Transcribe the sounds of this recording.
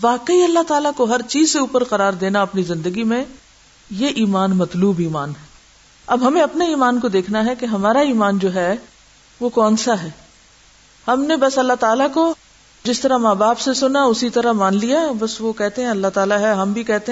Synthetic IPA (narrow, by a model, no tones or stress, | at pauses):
ʋaːqəiɐlːaɦt̪aːlakoɦɐɾt͡ʃiːzseuːpəɾqɐɾaːɾd̪eːnaɐpnizɪ̃nd̪əɡimẽ | jeʔiːmaːnmɐt̪luːbiːmaːnɦɛ | ɐbɦɐmẽɐpneiːmaːnkod̪eːkʰnaɦɛkeɦɐmaːɾaiːmaːnd͡ʒoːɦɛ | ʋokɔ̃ːnsaɦɛː | hɐmnebɐsɐlːat̪aːlako | d͡ʒɪst̪ɐɾamaːbaːpsesʊnaʊsit̪ɐɾamaːnlijabɐsʋokɛɦt̪eɦɛ̃ɐlːaɦt̪aːlaɦɛɦɐmbʱikɛɦt̪eɦ